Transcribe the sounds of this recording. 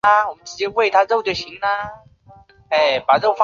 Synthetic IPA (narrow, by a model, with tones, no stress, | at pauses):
ə˧wɔ˨˩mə˦nʈ͡ʂ̩˧˥t͡ɕjɛ˥we˥˩ɪt̪ʰa˥ɻo˥˩ʊd̪ə˨˩ɕi˧˥ŋnə˧ | e˥˧˩ɪpa˨˩ɻo˥˩ʊfa˥